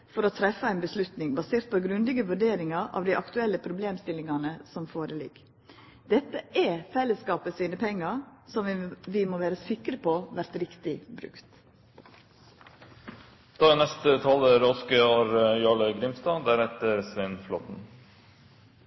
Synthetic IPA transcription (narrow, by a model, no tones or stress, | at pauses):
fɔɾɔt̪ʰɾɛfəæɪnbəslʉt̪nɪŋbɑseːɾt̪̚pʰɔɡɾʉndlɪɡəʋʉɖeːɾɪŋɑʔɑ̰ʋd̪æɪʔɑkt̪ʉɛlːəpʰɾʊbleːmst̪ɪlːɪŋɑnəsɔmfoːɾəlɪ̰ɡ | d̪̥ɛt̪ːəʔɛfɛlːəskɑːpəsiːnəpʰɛŋːɑɾsɔmʋɪmoːʋæːɾəsɪkɾəpʰoʋæɾt̪ɾɪkt̪ɪbɾʉ̰kt̪ | d̪̥ɑːnɛst̪ət̪ʰɑːləɾɔskəoːɾjɑːɭəɡɾɪmst̪ɑːd̪æɾɛt̪əɾsʋɛnflɔ̰t̪n̩